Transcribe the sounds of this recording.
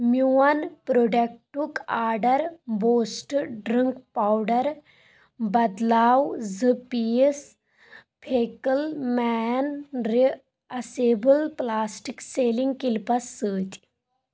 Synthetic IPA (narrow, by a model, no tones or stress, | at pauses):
mjuɐnpɾoɖek̚ʈukaːɾɖɐɾboːsʈɖɾiŋkpaːwɖɐɾ | bɐd̪laːwzɨpies | pʰeːkəlmɛːnɾi | ɐseːbəlplaːsʈikseːlĩŋɡkilpɐsːɨːt̪ʲ